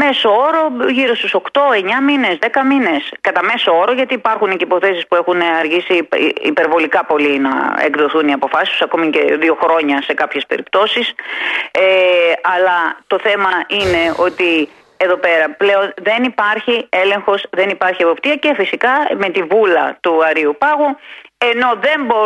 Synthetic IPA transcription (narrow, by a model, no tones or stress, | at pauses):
me̞sooɾo̞ʝiɾost̪uso̞kt̪o̞e̞ɲɐmine̞zðe̞kɐmine̞skɐt̪ɐme̞sooɾo̞ʝɐt̪iːpɐɾxunecipo̞θe̞sispue̞xunɐɾʝisiḭpe̞ɾvo̞likɐpo̞linɐ̰ekðo̞θuniɐpo̞fɐsist̪u̥sɐko̞mice̞̰ðio̞xɾo̞ɲɐse̞kɐpçe̞spe̞̰ɾipt̪o̞sis | eɐlɐt̪o̞θe̞mɐʔine̞o̞t̪i | e̞ðo̞pe̞ɾɐple̞o̞nðe̞nipɐɾçie̞le̞ŋxo̞sðe̞nipɐɾçie̞po̞pt̪iɐce̞fisikɐme̞t̪ivulɐt̪uɐɾiupɐɣue̞no̞ðe̞mbo